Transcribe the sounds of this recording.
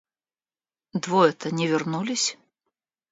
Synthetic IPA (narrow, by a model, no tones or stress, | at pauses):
d̪vɔɛt̪ənʲɪvʲɪrnulʲɪsʲ